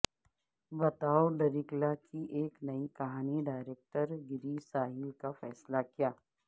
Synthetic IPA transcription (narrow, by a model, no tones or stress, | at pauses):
bɐt̪aːoɖɐɾɪklakʰiʔeːknɐikɐɦaːniɖaːɪɾeːk̚ʈəɾɡɪɾisaːɦɪlkafɛːslakijaː